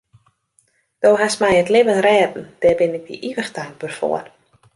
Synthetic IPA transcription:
d̥oːɦasmɛjətlɪvənrɛːdn̩d̥ɛrbɪnɪk̚də̰ʔiʋəxtaŋk̚bərfo̰ər

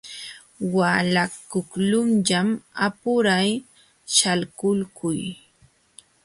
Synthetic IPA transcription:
walakʊklʊmʎamapʊɾaj | ʃalkʊlkʊj

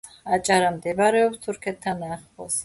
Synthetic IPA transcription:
at͡ʃʼaɾamd̪ɛbaɾɛɔpst̪ʰuɾkʰɛt̪ʰːanaχpɔs

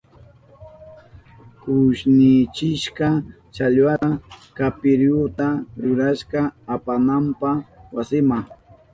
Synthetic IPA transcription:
kʊʃnɪt͡ʃɪʃka | t͡ʃaʎwaakapɪɾjʊt̪aɾʊɾaʃkaːpanampawasɪma

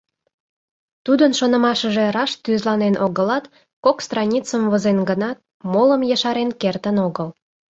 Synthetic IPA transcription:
t̪ud̪ənʃonə̆mɑʃəʒerɑʃt̪yzlɑnenʔoɣəlɑt̪ | kokst̪rɑnʲit͡səmvəzenɡənɑt̪̚ | moləmjəʃɑɾenkert̪ənoɣəl

